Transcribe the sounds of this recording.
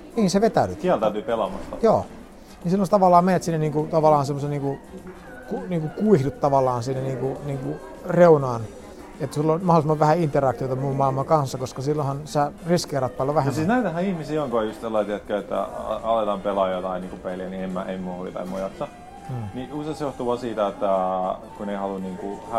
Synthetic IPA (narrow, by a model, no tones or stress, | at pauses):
niːnseʋet̪æylyt̪siælt̪æyt̪yːpelɑmɑst̪ɑjoː | nisilːõst̪ɑʋɑlːˑɑːmenet̪siːnːæniːŋkut̪ɑʋɑlˑɑːnsemːoseniːŋku | kuniːŋkukuihdut̪t̪ɑʋɑlːˑɑːnsiːnæniːŋkuniːŋku | reunɑːn | et̪ːsilːonmɑholismɑʋæhæint̪erɑk̚t̪iot̪ɑmmummɑˑilmɑŋkɑnsːɑkoskɑsilːõhɑnsæriskeːrɑt̪pɑilːɑʋæhemsisnæit̪æhæihmisiːoŋkojust̪selːɑˑsiːet̪kæet̪ːæ̰ɑlet̪ɑmpelɑjot̪ɑiniːŋkupeliæniemːæʔemːuholḭt̪ɑ̰imojɑt̪ːɑː | niusesjoht̪uʋɑsiːt̪æet̪ːækuneihɑluniːŋkuhæ